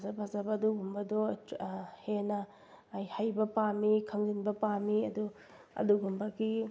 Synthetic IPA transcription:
zɐbazɐbɐduɡumbɐdɔ | henɐː | jhajbɐpamikʰɐŋzinbɐpamiɐdu | ɐ̰duɡumbɐɡi

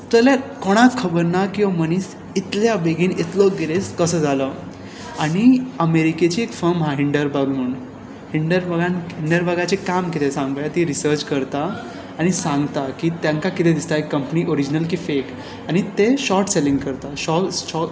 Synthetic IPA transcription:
t̪əlakoɽ̃akʰːəbəɾnakĩʋaməniːs | it̪ljabeɡĩːnit̪lɔɡeleskəsəːd͡zʱalə | aɽ̃iəmeɾiket͡ɕiːekfəɾmɦaɦiɳɖəɾbəɡm̤əuːn | hiɳɖəɾbəɡãnɦiɳɖəɾbaɡat͡ɕekamkit̪ʰesãŋɡbjat̪iɾisəɾt͡ɕkəɾt̪aː | ɽ̃isãŋɡt̪akiːt̪jãŋkakit̪ʰed̪ist̪aekːəmpniːʔoɾid͡ʑnəlkiːfek | aɽ̃it̪eɕɔɾʈselĩŋɡkəɾt̪aɕɔ

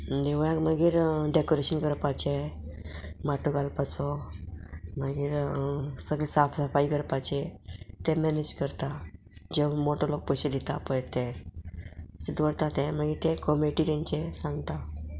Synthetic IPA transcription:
məd̪eʋjãkmaɡiːɾɖekoɾeɕənkəɾpat͡ɕe | maʈuɡalpat͡sɔ | maɡiːɾsəɡlesafsafaikəɾpat͡ɕet̪ẽmɛned͡ʑkəɾt̪a | d͡ʑeʋmoʈalok̚pɔɕed̪it̪apəjt̪e | ed̪ɔɽt̪at̪ɛ̃maɡiːɾt̪ẽkɔmeʈit̪ɛ̃ɲt͡ɕesãŋɡt̪a

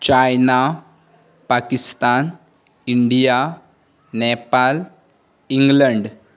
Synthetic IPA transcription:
t͡ɕajna | paːkist̪aːn | iɳɖija | neːpːaːl | iŋɡlɐɳɖ

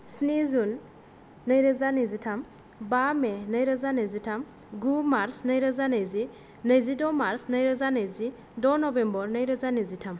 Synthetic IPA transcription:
snizunː | əjɾəzanɯzitʰam | bamenəjɾəzanəjzitʰamɡumaɾsnəjɾəzanəjzi | nəjzidɔmaɾsnəjɾəzanəjzi | dɔnɔbembɔɾnəjɾəzanəzitʰam

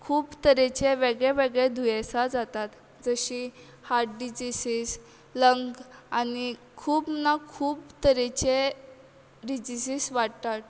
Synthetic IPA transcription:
kʰuːbt̪əɾɛt͡ɕeʋeɡɭeʋeɡɭed̪ʱujesad͡zat̪at̪ | d͡zəɕi | haɾʈ̚ɖid͡ʑisiːs | ləŋɡani | kʰuːpnakʰuːpt̪əɾɛt͡ɕe | ɖid͡ʑisiːsʋaɽt̪at̪̚

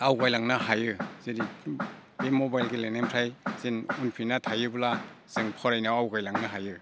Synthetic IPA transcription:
awɡajlaŋnaɦajɯz̥eɾi | bemɔbajlɡelenampʰɾajz̥inunpʰinatʰajɯbula | z̥ɯŋpʰɔɾajnawawɡajlaŋnaɦajɯ

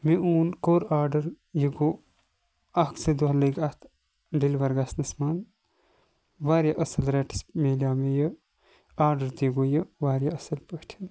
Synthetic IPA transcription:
miuːnkoːɾaːɾɖɐɾ | jiɡo | ɐksed̪oɦlɐɡɐt̪ʰ | ɖilʋɐɾɡasnɐsmaːn | ʋaːɾʲjaʔɐsɐlɾeːʈi̥smeːlʲaːmejə | aːɾɖɐɾt̪iɡojɐʋaːɾjaɐsɐlpɐktʰin

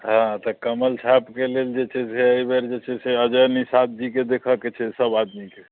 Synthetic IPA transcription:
ɦãt̪ɔkəməlt͡ʃʰapkeleld͡ʒet͡ʃʰɛseəjbɛɾd͡ʒet͡ʃʰɛseəd͡ʒənisat̪̚ʰd͡ʒiked̪ekʰəket͡ʃʰɛsəbad̪mike

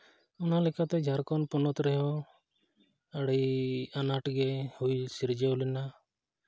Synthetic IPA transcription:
ʊnalekat̪ɛd͡ʒʱaɾkɔnpɔnɔt̪ɾɛɦɔ̃ | əɽianaʈɡɛhujsiɾd͡ʒeulina

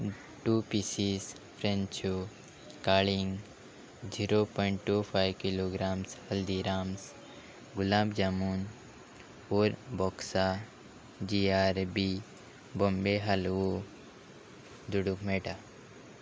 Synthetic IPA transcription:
ʈuːpisis | pʰɾẽnt͡ʃu | kaːliŋ | d͡ʒiɾopɔɪɳʈʈːupʰajʋkiloɡɾaːmshɐld̪iɾaːms | ɡʊlaːbd͡ʒaːmuːn | oːɾbɔːksa | d͡ʒiaːɾbi | bombeɦɐlo | d̪uɖukmeːʈa

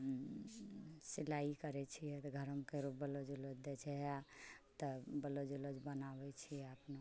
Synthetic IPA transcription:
silaikəɾɛt͡ʃʰijɛt̪ɔɡʱəɾəmkeɾupbəlod͡ʒulod͡ʒd̪et͡ʃʰɛɦat̪əbəlod͡ʒulod͡ʒbənabɛt͡ʃʰijɛapno

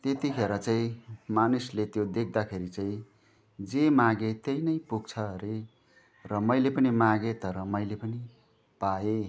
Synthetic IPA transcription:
t̪et̪ikʰeɾʌt͡saĩmanuslet̪jod̪ek̚ʰd̪akʰeɾit͡saĩ | d͡zemaɡet̪ʌjnʌjpuɡ̚t͡sʰʌɾe | rʌmʌjlepʌnimaɡet̪ʌɾʌmʌjlepʌni | pae

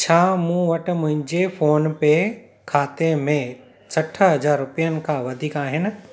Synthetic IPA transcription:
t͡ɕʰaːmũːʋɐʈʊ̆mʊ̃ɦɪ̃ɲd͡ʑefoːnpe | kʰaːt̪emẽ | sʰɐʈʰə̆ɦɐzaːɾːʊpijənɪ̆kʰãːʋɐd̪ʱiːkaːɦɪnɪ̆

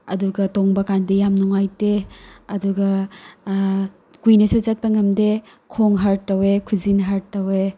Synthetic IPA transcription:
ɐduɡɐtoŋbɐkandejamnuŋajteɐduɡɐ | kujnɐsut͡ʃɐt̚pɐŋɐmde | kʰoŋɦaɾɐwekʰuzinɦaɾtːɐwe

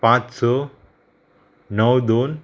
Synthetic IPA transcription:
pãt͡ʃsɔ | nəwd̪on

